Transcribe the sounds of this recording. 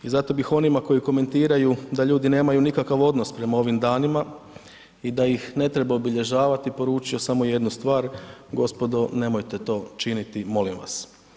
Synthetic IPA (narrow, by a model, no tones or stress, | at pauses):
izat̪o̞bixo̞nimako̞jiko̞me̞nt̪iːɾajud̪aʎuːd̪ine̞ːmajunikakaʋo̞d̪no̞spɾe̞mao̞ʋimd̪aːnima | id̪ajixne̞t̪ɾebaobiʎe̞ʒaːʋat̪ipo̞ɾuːt͡ʃio̞samo̞je̞d̪nust̪ʋaːɾɡo̞spo̞d̪o̞ne̞mo̞jt̪e̞t̪o̞ːt͡ʃinit̪imo̞limʋa̰s